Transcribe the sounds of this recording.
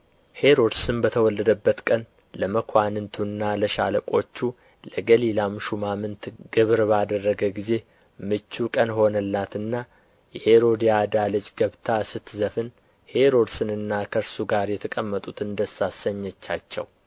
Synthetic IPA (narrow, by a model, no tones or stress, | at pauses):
he̞ɾo̞d̪sɨnbət̪ʰəwɔlːəd̪əbːət̪kʼən | ləməkʰʷanɨnt̪ʰunːaləʃa̰ləkʷʼo̞t͡ʃːu | ləɡəlilamʃumamɨnt̪ɡ̥ɨβɾbad̪ərːəɡəɡize̞ | mɨt͡ʃːukʼənho̞nəlːat̪ɨnːa | jɛheɾo̞d̪iad̪alɨt͡ʃʼɡəβt̪ʰasɨt̪zəfɨn | he̞ɾo̞d̪sɨnɨnːakʰəɾsuɡaɾjɛt̪ʰəkʼəmːət̪ʼut̪ɨnd̪əsasəɲːɛt͡ʃːat͡ʃːɛ̰w